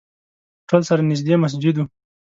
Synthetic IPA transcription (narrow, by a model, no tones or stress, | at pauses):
ʈolsaɾanɪs̬d̪emas̬d͡ʒɪd̪u